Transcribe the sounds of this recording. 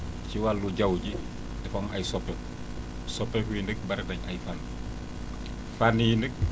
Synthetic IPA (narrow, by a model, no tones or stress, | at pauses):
ciwalːuɟɐwɟi | dɛfɔŋɐjsɔpːɛ | sɔpːɛkujindək̚bɐɾɛdɐɲɐjfan | fanijindək̚